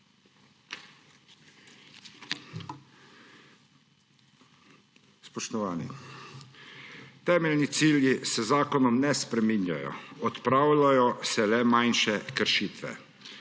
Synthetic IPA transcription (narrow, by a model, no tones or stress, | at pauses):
spɔʃt̪ɔʋaːnḭ | t̪ɛːmɛlnit̪siːljisɛzaːkɔnɔmnɛspɾɛminja̰jɔ̰ɔt̪pɾaːwlajɔsɛlɛmajnʃɛkəɾʃiːt̪ʋɛ̰